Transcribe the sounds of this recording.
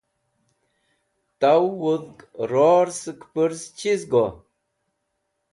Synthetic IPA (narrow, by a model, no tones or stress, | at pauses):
t̪awuðkɾoɾsɨkpəɾst͡ɕizɡo